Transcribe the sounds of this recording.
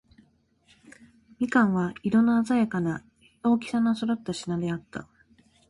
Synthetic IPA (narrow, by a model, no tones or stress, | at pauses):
mʲikãɰ̃βaiɾo̞nːaazajakana | o̞ːkʲi̥sanasoɾat̪ːaɕinad̪e̞at̪ːa̰